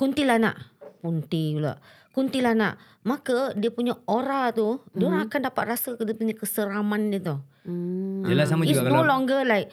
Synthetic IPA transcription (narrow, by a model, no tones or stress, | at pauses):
kunt̪ilahna̰ʔpunt̪iɡula̰ʔ | kunt̪ilahna̰ʔ | makədiəpuɲaoɾaht̪udoɾaŋakandapat̪̚rasədiəpuɲakəsəɾamandiət̪ɔh | lasamaist̪olɔŋɡəlaiʔ